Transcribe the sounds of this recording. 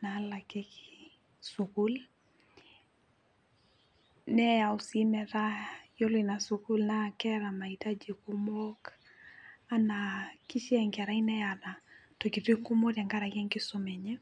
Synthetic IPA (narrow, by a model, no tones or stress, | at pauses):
nalakeki | sukul | nɛausimɛɾajolwinasukulnakɛɾamaitad͡ʒikumɔk | anakiʃiɛŋkaɾainɛanatokitiŋɡumɔɾaŋɡaɾakɛŋkɪsɔmɛɲɛ